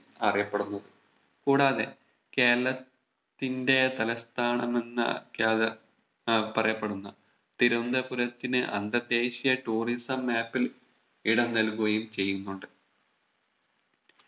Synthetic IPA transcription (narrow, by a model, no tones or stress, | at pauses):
ɐrijɐpːe̞ɽunːɐðɨ | kuːɽaːðe̞ | ke̞ːlːɐt̪ː | inde̞t̪ɐlɐst̪ʰaːɳɐme̞nːɐ̰kjaːðɐ | pɐrɐjɐpːe̞ɽunːɐ | t̪iɾund̪ɐpuɾɐt̪ːinɨʔɐ̰nd̪ɐd̪e̞ːɕijɐʈuːrisɐmːaːpːil | iɽɐmnɐlkuɣɐjumt͡ɕe̞jːunːuɳɖɨ